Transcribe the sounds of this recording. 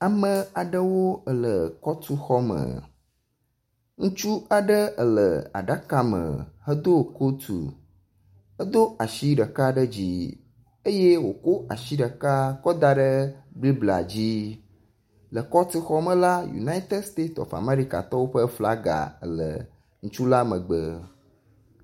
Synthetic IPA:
a˨mə̃˨a˨ɖə˦wo˦ə˦lə˨kɔ˦t̪u˦xɔ˦mə̰˨ | ŋũ˦t͡ʃu˦a˨ɖə˦ə˨lə̰˨a̰˨ɖa˦ka˨mə̰̃˨hə˦d̪o˦˨ko˦t̪ṵ˨ | ə˦d̪o˦a˨ʃi˦ɖə˨ka˦ɖə˦d͡ʑi˦ | e˦je˦wo˨ko˦a̰˨ʃi˦ɖə˨ka˦kɔ˦d̪a˦ɖə˦ɡ͡bli˦bla̰˨d͡ʑi˦ | lə˨kɔ˦t̪u˦xɔ˦mə̃˦la˦jṵ˨na˦i˦t̪e˦st̪e˦ɔ̰˨fa̰˨ma˦ɾi˦ka̰˨t̪ɔ˦wo˦ɸə˦fla˦ɡa̰˨ə̰˦˨lə̰˨ | ŋ̩̃˦t͡ʃu˦la˦mə̃˨ɡ͡bə˨

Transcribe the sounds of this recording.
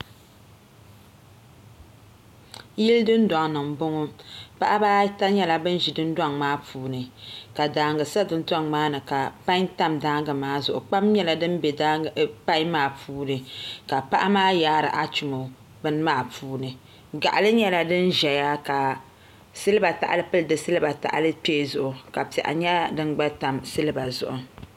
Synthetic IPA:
ji˦ldɨ˦n˦da˨ŋ˨nɨ˨m̩˨bʊ˦ŋɔ˦pa˦ʔa˦baː˦ta˦ɲɛ˦la˨bɨ˦n˦ʒi˨dɨ˦n˦dwa˦ŋmaː˦puː˨nɨ˨ka˨daː˨˦ŋɡɨ˨sa˦dɨ˦n̩˦ta˦ŋmaː˦nɨ˨ka˨pa˦ɲ˦ta˦mdaː˦ŋɡɨ˨maː˦zʊ˨ʔʊ˨k͡pa˦mɲɛ˦la˨dɨ˦nbɛ˨da˦pa˦i˦maː˦˨puː˦nɨ˨ka˨pa˦ʔa˦maː˦jaː˦ɾɨ̰˨ʔa˦t͡ʃu˨mo˨ | bɨ˦n˦maː˦˨puː˦nɨ˨ | ɡa̰˨ʔa˨lɨ˦ɲɛ˦la˨dɨ˦nʒɛ˨ja˦ka˨ | sɨ˦lɨ˦ba˨ta̰˨ʔa˨lɨ˦pɨ˦lɨ˨dɨ˨sɨ˦lɨ˦ba˨ta̰˨ʔa̰˨lɨ˦peː˦˨zʊ˨ʔʊ˨ka˨pɛ˨ʔa̰˨ɲɛ˦dɨ˦nɡ͡ba˦ta˨msɨ˦lɨ˦ba˨zʊ̰˨ʔʊ˨

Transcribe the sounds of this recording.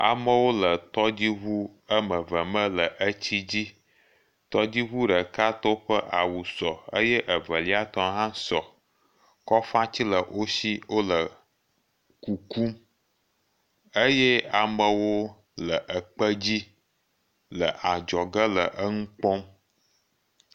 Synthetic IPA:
a̰˨mə˦wo˦lə˨t̪ɔ˦d͡ʑi˦βu˦ə˦mə˨və˨mə̃˦lə˨ʔə˦t͡ɕi˦d͡ʑi˦ | t̪ɔ˦d͡ʑi˦βu˦ɖə˨ka˦t̪ɔ˦ɸə˦ʔa˨wu˨sɔ˨ə̰˦jɛ˦ʔə˨və˨li˦a˦t̪ɔ˦ɦã˦sɔ˨ | kɔ˦fa˦t͡ɕi˦lə˨wʔo˦si˦wo˦lə˨ | ku˨ku˦m | ə˦jɛ˦a˨mə˨wo˦ | lə˨ʔə˨k͡pə˦d͡ʑi˦ | lə˨ʔa˨d͡ʒɔ˨ɡə˦lə˨ʔə˦ŋũ˦k͡pɔ˦m

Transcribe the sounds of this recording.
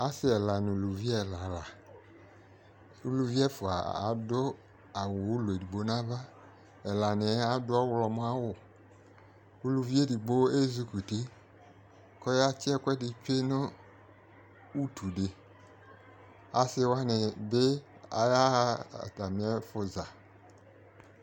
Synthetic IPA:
a˦sɪ˦ɛ˨la˨nɪ˨lu˨vi˦ɛ˦˨la˨la˨ | u˦lu˧vi˦ɛ˦fʊ˨a̰˨a̰˨˦dʊ˦ | a˨wo˨u˦le˨di˨ɡ͡bo˦nã˦va˦ | ɛ˨la˨nɪ˨˦a˨˦dʊ˦ɔ˦wlɔ˧˨mʊ˦a˦wʊ˨ | u˦lu˨vi˦e˦˨di˨ɡ͡bo˦e˦zu˦ku˨ti˦ | kɔ˦ja˦t͡ʃɪ˦ɛ˦kʷɛ˦dɪ˨t͡ʃe˦nʊ˦ | u˦tʰu˨dɪ˨ | a˨sɪ˦wa˦nɪ˨be˦ | a̰˨ja̰˦˨ta˨m˨ɛ˦fʊ˨za˨

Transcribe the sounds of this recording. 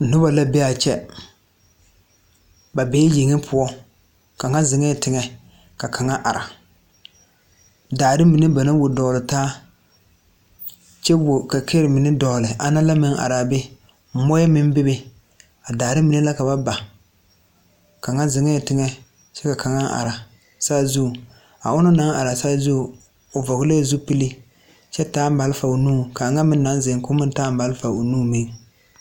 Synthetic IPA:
n̩˨nʊ˦ba˨la˦be˦a˨t͡ʃɛ˦ | ba˨beː˦ji˨ŋɪ˦pʰʊ˦ɔ˦ | ka˨ŋa˦zɪ˨ŋɛ˦˨tɪ˨ŋɛ˨ | ka˨kʰa˨ŋa˦ʔa˨ɾa̰˨ | daː˨ɾɪ˦mi˨nɪ˦ba˨na˦wʊ˨dɔː˨lɪ˨taː˦ | t͡ʃɛ˦wʊ˨ka˨kʰe˦ɾɪ˨mɪ˨nɪ˦dɔ˨lɪ˨a˨na˦la˦mɪ˦ŋʔa̰˨ɾa˨bɪ˦˨˦ | mɔ˦jɛ˦mɪ˦m˦bɪ˦bɪ˦ | a˨daː˨ɾɪ˦mɪ˨nɪ˦la˦ka˨ba˦ba˨ | ka˨ŋa˦zɪ˨ŋɛ˦˨tɪ˦ŋɛ˦ | t͡ʃɛ˦ka˨ka˨ŋa˦ʔa̰˨ɾa˨ | saː˦zu˦˨ | a̰˨ʊ˦nʊ˦na˦ŋʔa˨ɾa˨saː˦zu˦˨ | ʊ˨vɔ˨ɣɪ˦le˦zu˦pi˦li˦ | t͡ʃɛ˦taː˦m˦ba˨lfa˨o˨nuː˦˨ka˨ŋa˦mɪ˦nː˦a˨˦nzɪ˨ŋkʊ˦mɪ˦taː˦m˦ba˨lfa˨o̰˨nuː˦mɪ˦ŋ

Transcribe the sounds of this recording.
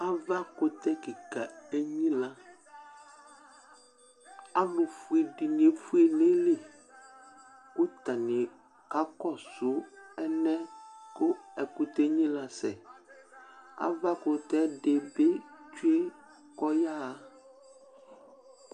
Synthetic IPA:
a˦va˦kʊ˦t̪ɛ˦ki˨ka˨e˦ɲĩ˦la˦ | a˦lʊ˨fu˨e˨ɖi˨n˨e˨fu˦e˨ne˦le˨ | ku˦t̪a˨nɪ̃˨ | ka˦kɔ˦˨sʊ˨˦ɛ˦nɛ̃˦kʊ˦ɛ˨ku˦t̪e˦ɲĩ˦la˨sɛ˨ | a̰˦va˦kʊ˨t̪ɛ˦ɖe˨be˦t͡ʃu˦e˦ | kɔ˦ja˦˨

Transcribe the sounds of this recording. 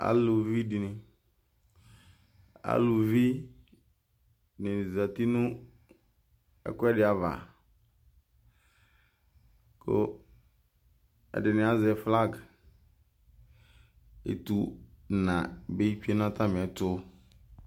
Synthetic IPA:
a̰˦˨lʊ˨vi˦di˨nɪ̃˨ | a̰˦lʊ˨vi˦ | nɪ̃˨za˨t̪i˦nʊ̃˦ | ɛ̰˦kʊ˦ɛ˦dɪ˨˦a˨va̰˨ | kʰo̰˦ | ɛ̰˨dɪ˨nɪ̃˨a˦zɛ˨fla˦˨ɡ | ḛ˨t̪u˨nã˨be˦i˦kᶣi˦e˦nã˦t̪ʰa˦mɪ̃˨ɛ˨tʊ˦

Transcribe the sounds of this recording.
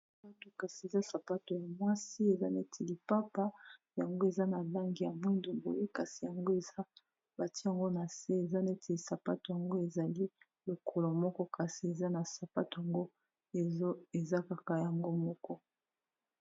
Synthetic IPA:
a˨pa˦to˨ka˨si˨e˨za˦sa˨pa˦to˨ja˨mwa˦si˦e˨za˦ne˦tʰi˨li˨pa˦pa˦ | ja˨ŋɡo˦e˨za˦na˨la˦ŋɡi˨ja˨mwɛ˦ndo˨mbo̰˨je˦ka˨si˨ja˨ŋɡo˦e˨za˦ | ba˨tja˨ŋɡo˦na˨se˦e˨za˦ne˦tʰe˨li˨sa˨pa˦to˨ja˨ŋɡo˦e˨za˨li˦ | lo˨kʰɔ˨lo˨mɔ˦kɔ˦ka˨si˨e˨za˦na˨sa˨pa˦to˨ja˨ŋɡo˦ | e˨˦e˨za˦ka˨ka˨ja˨ŋɡo˦mɔ˦kɔ˦

